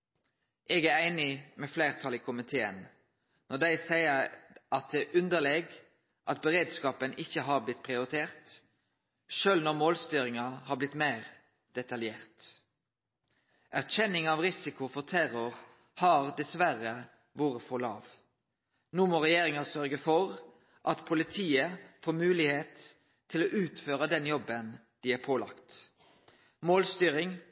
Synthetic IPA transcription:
ʔeːɡææɪnɪmɛfleːʁt̪ʰɑlikʰʊmɪt̪ʰeːə̰n | nɔɖ̪æɪsæɪəʔɑt̪̚d̪ɛʔʉnd̪əlɛɡ | ʔɑt̪̚bəʁeːd̪skɑːpənɪçːəɦɑʁblɪt̪ːpʰʁɪʊɾɪt̪ʰeːʁt̪ | ʃøːlnɔʁmoːlst̪yːɾɪŋɑhɑblɪt̪mæɪʁ | d̪̥ɛt̪ɑljeːʁt̪ | ʔæʁçɛnɪŋɑːʋʁɪsɪkʊfɔʁt̪ʰæɾʊʁ | hɑʁd̪ɛsʋæɾə | ʋoːʁəfɔlɑ̰ːʋ | nuːmoːʁɛjeːɾɪŋɑsœɾɡəfɔʁ | ʔɑt̪pʰʊlɪt̪ʰiːəfoːmʉːlɪheːt̪ʰː | ɪloːʔʉːt̪føːʁəd̪ɛnjɔbən | d̪̥ɪæɾpʰoːlɑ̰kt̪ | moːlst̪yːɾɪŋ

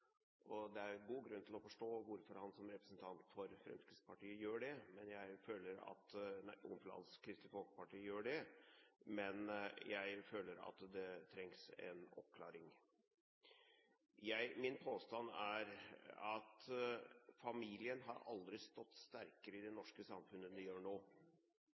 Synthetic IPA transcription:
ʔɔd̪ɛæɾɡuːɡɾʉnːt̪ʰɪlɔfɔʂʈoːʋʊɾfɔɾhɑnsɔmɾɛpɾəsnt̪ʰɑnt̪fɔɾfɾɛ̰mskɾɪspʰɑʈiːəjøːɖɛmɛnjæɪføːləɾɑ̰t̪næɪʔʊnflɑ̰nskʰɾɪst̪ɪfɔlkə̥pɑʈiːəjøːɖɛ | mɛnjæɪføːləɾɑ̰t̪d̪ɛt̪ʰɾɛŋsɛ̰nɔ̰p̚kʰlɑːɾɪŋ | jæɪmɪnpʰoːst̪ɑnæɾɑt̪ | fɑmiːlɪənɦɑ̰ɾɑ̰ld̪ɾɪst̪ɔt̪ːst̪æɾkəɾəɪd̪ɛnɔʂkəsɑmfʉnəd̪ɛjøːɳoː

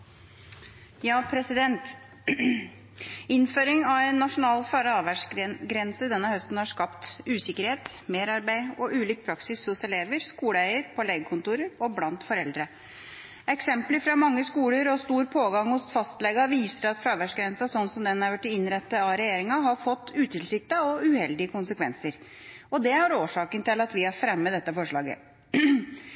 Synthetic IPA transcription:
jɑːpʰɾɛsɪd̪ɛnt̪ | ɪnføːɾɪŋɑɛɪnːɑʂʊnɑːlfɑːɾɑʋæʂɡɾɛnsəd̪ɛnːəhœst̪n̩hɑʂkɑpt̪ʉːsɪkəɾheːt̪meːɾɑɾbæɪɔʔʉːliːk̚pʰɾɑksɪshʊsɛleːʋəɾskuːlæɪəɾpʰɔleːɡəkʰʊnt̪uːɾəɾɔblɑnt̪fɔɾɛld̪ɾə | ɛksɛmpləfɾɑmɑŋːəskuːləɾɔst̪uːɾpʰoːɡɑŋhʊsfɑst̪lɛɡɑʋiːsəɾɑt̪fɾɑːʋæʂɡɾɛnsɑsɔnːsɔmd̪ɛnæɾʋæʈːɪɪnɾɛt̪ːəɑɾɛjeːɾɪŋɑɦɑɾfɔt̪ːʉːt̪ʰɪlsɪk̚t̪ɑɔʉhɛld̪ɪəkʰʊnsəkʰʋɛ̰nsəɾ | ɔd̪ɛɑɾoːʂɑːkənt̪ɪlɑt̪ʋɪhɑɾfɾɛmːəd̪ɛt̪ːəfɔʂɭɑ̰ːɡə̰

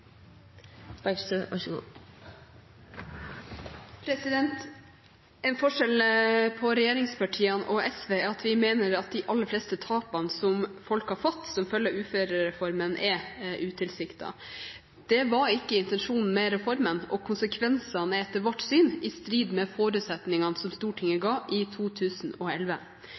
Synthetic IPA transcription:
b̥æɡsøɑ̰ʂɡṵː | pʰɾɛsɪd̪ɛnt̪ | ɛnfɔʂɛlpʰɔɾɛjeːɾɪŋspɑʈʰiːənʔɔʔɛsʋeːɑt̪ʰʋɪmeːnəɾɑt̪̚d̪ɪʔɑlːəɾflɛːst̪ət̪ʰɑːpɑnsɔmfɔlkhɑɾfɔt̪ːsɔmfœljəʉːføːɾəɾɛfɔɾmənʔɛʔʉːt̪ʰɪlsɪkt̪ɑ̰ | d̪̥ɛʋɑɾɪkːəɪnt̪ɛnʂuːnn̩mɛɾɛfɔɾmənɔkʰʊnsəkʰʋɛnsɑnɛt̪ːəɾʋɔʈsyːnɪst̪ɾiːd̪mɛfoːɾʉːt̪sɛt̪nɪŋɑnsɔmst̪uːʈʰɪŋːəɡɑːʔɪt̪ʰuːt̪ʰʉːsn̩ɔɛlʋə

